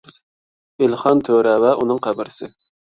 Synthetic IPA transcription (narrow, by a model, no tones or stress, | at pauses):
ɪlχɑnt̪ʰøɾɛwɛʔunɨŋqʰæbɪɾɪsɪ